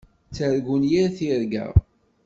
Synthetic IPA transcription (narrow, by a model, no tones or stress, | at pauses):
t͡sːəɾɡunjiɾθiɾɡæ̰